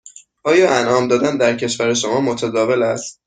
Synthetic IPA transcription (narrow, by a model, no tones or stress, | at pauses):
ʔɒːjɒːʔænʔɒːmd̪ɒːd̪ænd̪æɾcʰe̞ʃvæɾeʃo̞mɒːmot̪ʰæd̪ɒːve̞læst̪